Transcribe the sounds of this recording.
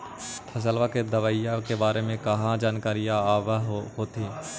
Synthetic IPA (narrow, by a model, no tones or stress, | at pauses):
t̪ʰɐs̬əlʋaked̪ɐʋaːɪjakebaːɾemẽkɐɦãd͡ʒaːnkaːɾijaaːʋəɦhoːt̪ĩː